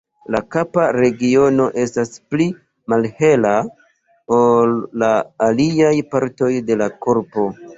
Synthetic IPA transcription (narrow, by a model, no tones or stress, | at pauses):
lakapaɾe̞ɡio̞no̞ʔe̞staspli | malhe̞la | olːaːliajpaɾto̞jde̞lako̞ɾpo̞